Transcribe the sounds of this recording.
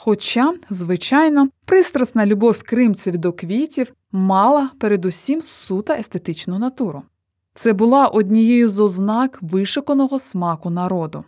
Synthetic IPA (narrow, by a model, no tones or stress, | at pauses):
xɔt͡ʃɑzʋɪt͡ʃɑjnɔpɾɪst̪ɾɐsnɐlʲʊbɔwʲkɾɪmt͡sʲɐʋʲid̪ɔkʋʲitʲiw | mɑlˠɐpeɾed̪usʲimsut̪ɐʔest̪e̞t̪ɪt͡ʃnʊnɐt̪uɾʊ | t̪sɛbʊlˠɑʔɔdʲnʲijɛjʊzɔznɑkʋɪʃɔkɔnɔɦɔsmɑkʊnɐɾɔd̪ʊ